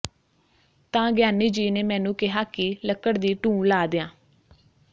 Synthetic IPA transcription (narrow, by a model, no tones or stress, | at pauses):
t̪ãːɡɪjaːniːd͡ʒiːneːmɛ̃ːnũːkɪɦaːkɪləkːəɽd̪iːʈũːlaːd̪ɪãː